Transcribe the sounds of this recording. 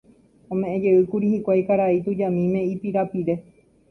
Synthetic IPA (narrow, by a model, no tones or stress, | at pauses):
õmẽ̞ʔẽd͡ʒe̞ɨkuɾihikʷajkaɾait̪ud͡ʒamĩmẽ̞ipiɾapiɾe̞